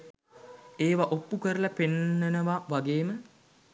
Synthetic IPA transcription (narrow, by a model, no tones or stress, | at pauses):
eːʋaʔopːukəɾəlapenːənəʋaʋaɡeːmə